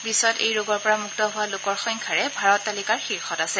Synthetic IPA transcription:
bisɔtḛjɹoɡɔɹpɔɹamuk̚tɔɦʊwalʊkɔɹxɔŋkʰaɹɛbʱaɹɔtːalikaɹxiɹxɔtasɛ

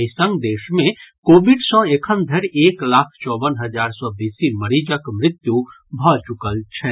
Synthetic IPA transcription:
sə̃ŋɡd̪eːʃmẽkoːbɪɖsɔ̃ekʰənd̪ʱəɾeːklaːkʰt͡ʃɔːbənɦɐd͡ʒaːɾsɔb̪iːsimɐɾiːd͡ʒəkmɾɪt̪ju | bʱɔt͡ʃʊkəlt͡ʃʰɛː

